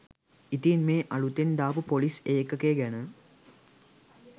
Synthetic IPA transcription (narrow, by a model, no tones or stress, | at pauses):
it̪iːnmeːʔɐlut̪end̪aːpupoliseːkːəkeːɡænə